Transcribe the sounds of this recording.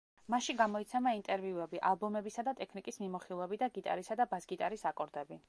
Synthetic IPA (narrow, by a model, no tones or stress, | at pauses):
maʃiɡamɔit̪sʰɛmaint̪ʼɛɾviuɛbiʔalˠbɔmɛbisad̪at̪ʼɛkʰnikʼismimɔχilˠɛbid̪aɡit̪ʼa̰ɾisad̪abasɡit̪ʼaɾisakʼɔɾd̪ɛbi